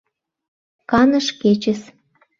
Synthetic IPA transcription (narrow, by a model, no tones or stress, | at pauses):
kɑnə̆ʃket͡ɕəs